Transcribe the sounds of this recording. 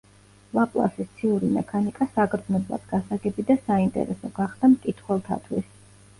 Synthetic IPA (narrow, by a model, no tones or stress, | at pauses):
lapʼlˠa̰sist̪sʰiuɾimɛkʰanikʼasakʼɾd̪znɔblˠa̰d̪ɡasaɡɛbid̪asaint̪ʼɛ̰ɾɛsɔɡaχd̪̥amkʼit̪ʰχwɛlˠt̪ʰa̰t̪ʰwis